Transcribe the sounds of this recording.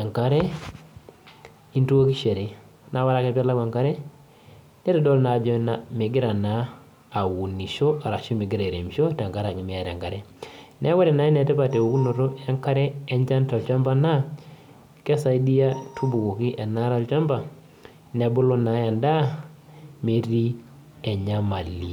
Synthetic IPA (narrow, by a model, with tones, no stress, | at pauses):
a˨ŋka˦ɾe˦ | i˦ntu˦wo˦ki˦ʃe˨ɾi˨ | nʔa˨wa˦ɾa˦ke˨pa˦la˦ɡa˨ŋka˦ɾɛ˦ | nɛ˦tɛ˦do˦lna˨d͡ʒɔ˨na˨mi˨ɡi˦ɾa˨naː˨˦˨ | wu˨ni˨ʃo˦ʔa˨ɾa˨ʃo˦mi˨ɡi˦ɾa˨ɾe˨mʃo˦ta˨ŋka˦ɾa˨ɲi˨mi˦ja˨ɾḛ˨ŋka˨ɾe˦ne˦wa˦ɾɛ˨na˨˦ɛ˦nɛ˨tɛ˦pa˨te˨u˨ku˦no˨ɾo˦e˦ŋka˦ɾɛː˦ɲt͡ʃa˦nta˨t͡ʃa˦mba˦na˦ | kɛ˦sa˨i˦di˦ja˦tʰu˦bu˨ku˨ki˦ʔɛ˨na˦ɾa˨˦lt͡ʃa˦mba˨ | ne˨bu˦lo˦na˨ja˨nda˦ | me˨ɾi˦ | e˨ɲa˦ma˨li˨